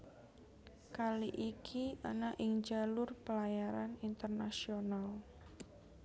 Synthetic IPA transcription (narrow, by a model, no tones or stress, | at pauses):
kaliʔikʰianaʔɪŋd͡ʒalʊrpəlajaɾanint̪ərnasional